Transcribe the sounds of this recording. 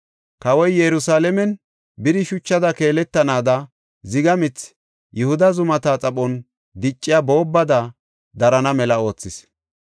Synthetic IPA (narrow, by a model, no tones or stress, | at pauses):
kɐwɔjjɛɾʊsaːlɛmɛn | bɪd̪ɪʃʊt͡ʃːɐd̪ɐke̞ːlɛt̪ːɐnaːd̪ɐ | zɪɡɐmɪt͡s | jʊhʊd̪ɐzʊmɐt̪aːt͡sʼɐɓʼɔn | d̪ɪt͡ʃʼːɪjabo̞ːbːɐd̪ɐ | d̪ɐɾɐnɐmɛlɐo̞ːt͡sːɪs